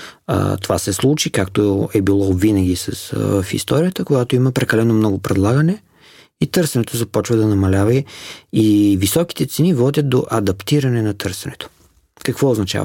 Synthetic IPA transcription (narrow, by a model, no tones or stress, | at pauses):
ə̰t̪ovasɛslˠut͡ʃikakt̪oɛbilˠɔvinəɡ̟ʲisɐ̰svəfḭst̪ɔɾiət̪əkoɡat̪oiməpɾɛkɐlɛnomnɔɡʊpɾɛd̪lˠaɡənɛ | it̪ɤɾsɛnɛt̪ozɐpɔt͡ʃvɐd̪ɐnɐmɐlʲavɐiivisɔki̥t̪ɛt̪sɛnivɔd̪ʲət̪̚d̪o̰ʔɐd̪ɐpt̪iɾɐnɛnɐt̪ɤɾsɛnɛt̪o̥ | kɐkvɔoznɐt͡ʃa̰vɐ